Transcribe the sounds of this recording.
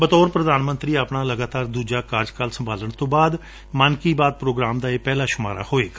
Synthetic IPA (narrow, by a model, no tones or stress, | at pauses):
bət̪ɔːɾpɾəd̪aːnmə̃nt̪ɾiːaːpɳaːləɡaːt̪aːɾd̪uːd͡ʒaːkaːɾd͡ʒkalsəmbʱaːləɳt̪õːbaːd̪ | maːnkiːbaːd̪̚pɾoːɡɾaːmd̪aːeːpɛːlaːʃʊmaːɾa̰ːhoːeːk